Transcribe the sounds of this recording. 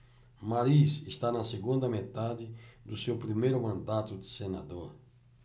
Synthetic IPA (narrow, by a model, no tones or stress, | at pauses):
maɾisist̪anɐseɡũnd̪ɐmet̪ad̪ɪd̪usewpɾimejɾumɐ̃nd̪at̪ud̪ɪsenad̪oɾ